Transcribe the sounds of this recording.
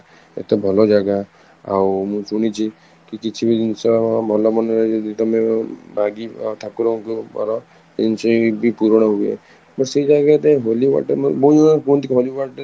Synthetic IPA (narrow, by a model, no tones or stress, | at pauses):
ḛt̪ebʱɔlɔd͡ʒaɡa | a̰wmũsuɽ̃it͡ʃʰi | kikit͡ʃʰibid̪insɔbʱɔlɔbɔnɾad͡ʒɔd̪it̪ɔmebʱaɡit̪ʰakuɾɔ̃kubɔ̰ɾɔ | ensɔbʱipuɾɔɽ̃ɔɦuḛ | bɔseid͡ʒaɡat̪eɦoliwa̰ʈemboiakũt̪ikɦoliwaʈ